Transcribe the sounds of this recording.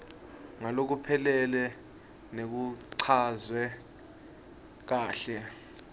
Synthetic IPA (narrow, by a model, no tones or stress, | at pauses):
ŋalok̬upʰɛlɛlɛ | nek̬uǀʰazwɛ | k̬aːɬɛ